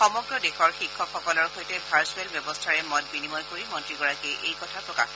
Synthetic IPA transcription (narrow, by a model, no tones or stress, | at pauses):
xɔmɔɡɹɔdexɔɹxikʰːɔkʰxɔkɔlɔɹxojtɛbʱaɹsuɛlbjɔbɔstʰaɹɛmɔt̚binimɔjkoɹimɔntɹiɡɔɹakiʔejkɔtʰapɹɔka̰